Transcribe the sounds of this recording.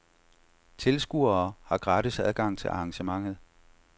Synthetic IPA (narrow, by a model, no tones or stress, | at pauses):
t͡sʰe̝lsɡ̥ṵɐːhɑ̈ɡ̥ʁɑd̥əsæðˠɡ̥ɑ̈ŋ̰t͡sʰe̝lʔɑ̈ŋɕəmɑ̈ŋ̰ð̞̩ˠ